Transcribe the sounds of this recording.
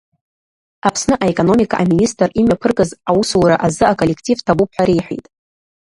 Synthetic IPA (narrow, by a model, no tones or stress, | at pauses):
apʰsnɨʔaekʼono̞mikʰaʔaministʼrimɥapʰɨrkʼɨzawusuɾaʔazɨakʼolːe̞kʰtʼivtʰabupʰħʷᶣaɾejħʷᶣḛjtʼ